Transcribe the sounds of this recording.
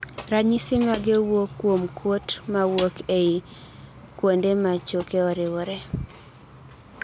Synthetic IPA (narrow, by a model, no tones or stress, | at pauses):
ɾaɲɪsɪmaɡewokːwomkʰwotmawokei | kwondemat͡ʃokeɔɾɪwɔɾɛ